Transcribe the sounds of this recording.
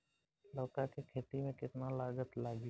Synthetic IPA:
lɔːkakekʰeːt̪imẽkɪt̪nalaːɡət̪laːɡi

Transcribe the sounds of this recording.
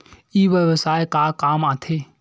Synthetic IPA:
iːʋjəʋsaːekaːkaːmaːt̪ʰeː

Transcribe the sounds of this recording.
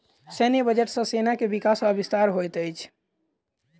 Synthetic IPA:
sɛnebəd͡ʒeʈsə̃senakebikasəbist̪aɾɦojt̪əjt͡ʃʰ

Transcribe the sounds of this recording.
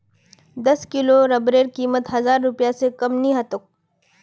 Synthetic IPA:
d̪ɐskɪloɾɐbɾeːɾkiːmət̪ɦɐzaːɾːʊpjasekɐmnĩɦɐt̪ʊk̚

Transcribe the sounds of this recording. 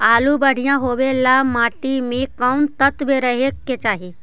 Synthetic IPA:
alubəɽ̤ijãɦoʋelamaʈimekəwnt̪ət̪ʋeɾəɦekːet͡ɕaɦe

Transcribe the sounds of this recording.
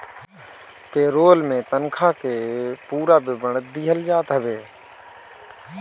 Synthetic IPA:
peːɾoːlmẽt̪ənkʰaːkepuːɾabɪbəɳət̪̚d̪ɪɦəld͡ʒaːt̪ɦəʋeː

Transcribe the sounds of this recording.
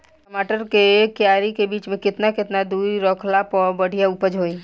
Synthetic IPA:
ʈəmaːʈəɾkekjaːɾikebiːt͡ʃmẽkɪt̪nakɪt̪nad̪uːɾiɾɔːkʰlapɔbəɽ̤ʱijaupəd͡ʒɦoːi

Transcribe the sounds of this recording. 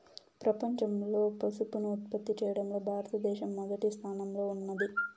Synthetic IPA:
pɾɐpɐɲt͡ʃɐmlo̞ːpɐsupunuut̪̚pɐt̪ːit͡ʃɛːjɐɽɐmlo̞ːbʱaːɾɐt̪ɐd̪ɛːʃɐmːɐd̪ɐʈist̪ʰaːnɐmlo̞ːunːɐd̪i

